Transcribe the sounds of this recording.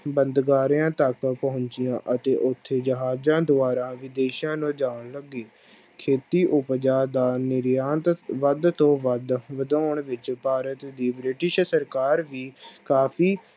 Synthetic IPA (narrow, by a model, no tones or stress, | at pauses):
bənd̪ɡaːɾijãːt̪əkpəɦʊɲt͡ʃɪjãːʔət̪eːʔʊt̪ʰːeːd͡ʒəɦaːd͡ʒãːd̪ʊaːɾãːʋɪd̪eːʃjãːnũːd͡ʒaːɽləɡːiː | kʰeːt̪iːʔʊpd͡ʒaːd̪aːnɪɾjãːnt̪ʋəd̪t̪õːʋəd̪ʋəd̪oːɳʋɪt͡ʃpaːɾət̪d̪iːbɾɪʈɪʃsəɾkaːɾʋiːkaːpʰiː